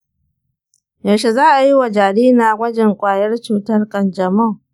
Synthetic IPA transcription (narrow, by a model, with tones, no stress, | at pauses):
ja˨ʃe˨zaː˦ʔa˨ji˦wa˨d͡ʒaː˨ɽiː˦naː˨ɡʷɐ˦d͡ʒɛ˨ŋkʷʼaː˨jɐ˦rt͡ʃuː˨tɐ˦rkʼɐ˨nd͡ʒɐ˨mɐ˦˨ŋ